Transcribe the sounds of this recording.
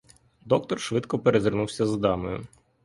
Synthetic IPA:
d̪ɔk̚t̪ɔrʃʋɪd̪kɔpeɾezɪrnuwsʲɐzd̪ɑmɔjʊ̰

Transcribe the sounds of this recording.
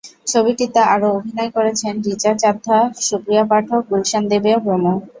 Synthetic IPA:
t͡ɕʰobiʈit̪aʔaɾoobʱinɔekoɾet͡ɕʰenɾit͡ɕat͡ɕad̪ʱːaʃukɾijapaʈʰok̚ɡulʃand̪ebeopɾomo

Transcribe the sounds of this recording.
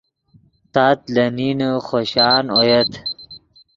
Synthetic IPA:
t̪aːt̪lɐninuχoɕaːnojet̪

